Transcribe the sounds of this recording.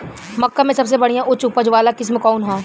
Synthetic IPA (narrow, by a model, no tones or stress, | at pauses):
mɐkːamẽsɐbs̬ebɐɽijãʔʊt͡ʃʊpəd͡ʒʋaːlakɪs̬mẽkɔːnɦãː